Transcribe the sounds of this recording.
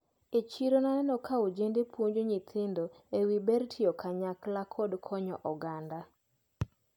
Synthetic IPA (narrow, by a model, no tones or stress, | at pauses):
et͡ʃiɾonaɛnɔkʰaod͡ʒendepʰwoɲd͡ʒoɲit̪ʰɪndo | ewibɛɾtʰɪɔkʰaɲaklakʰɔdkʰɔɲɔ̰ʔɔɡanda